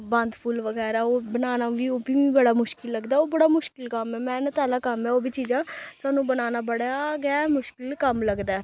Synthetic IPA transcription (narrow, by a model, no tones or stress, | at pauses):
bə̃nd̪pʰulʋəɡɛːɾaːoːbənaːnaːʋiːoːbiːiːbəɽaːmʊʃkɪlːəɡd̪aːoːbəɽaːmʊʃkɪlkəmɛːmɛ̃ːnẽːt̪aːlaːkəmɛːoːbʱiːt͡ʃiːd͡ʒãːt̪aːnũːbənaːnaːbəɽaːɡaːmʊʃkɪlkəmləɡd̪aː